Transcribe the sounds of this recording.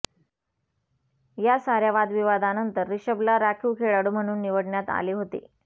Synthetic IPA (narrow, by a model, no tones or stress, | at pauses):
jasaɾjaʋad̪ʋiʋad̪anənt̪əɾːiɕəblaɾakʰuːkʰeɭaɽuːm̤əɽ̃uːnːiʋəɽɳjat̪a̰liːɦot̪ḭ